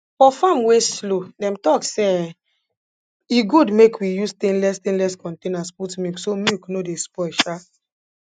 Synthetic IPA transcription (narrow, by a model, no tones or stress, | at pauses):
fɔfamweslodɛ̃mtɔkse | iɡudmekwijustĩnlɛstĩnlɛskɔ̃ntẽnasputmiksomuknodespɔʃa